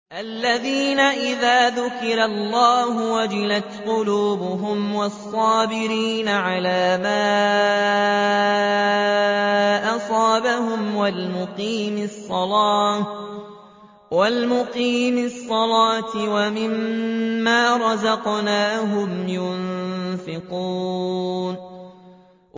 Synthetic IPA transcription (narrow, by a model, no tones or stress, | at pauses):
ʔalːaðiːnaʔɪðaːðʊkɪɾalːɑːɦʊwad͡ʒɪlat̪qʊluːbʊɦʊmwɑsˤːɑːbɪɾiːnaʕalaːmaː | ʔɑsˤɑːbahʊmwalmʊqiːmsˤːɑlɑː | walmʊqiːmɪsˤːɑlɑːt̪wamɪmː | aːɾˤɑzɑqnaːɦʊmjʊ | fɪquːn